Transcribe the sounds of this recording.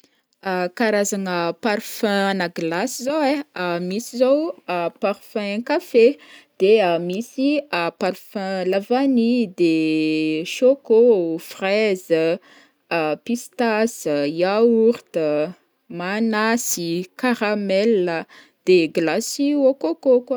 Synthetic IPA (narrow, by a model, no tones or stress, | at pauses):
akaɾazaŋəpaɾfɛ̃nəɡlasizoweamisizowapaɾfɛ̃kafed̪̥eamisiapaɾfɛ̃lavanid̪e | ʃokofrɛzə | pist̪asəjauɾt̪ə | manasikaɾamɛlə | d̪̥eɡlasiokokoka